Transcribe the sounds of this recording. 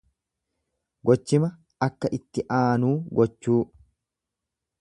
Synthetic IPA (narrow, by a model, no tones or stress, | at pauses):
ɡɔt͡ʃːɪmɐ | ɐkːɐʔɪt̪ːɪʔaːnuːɡɔt͡ʃːuː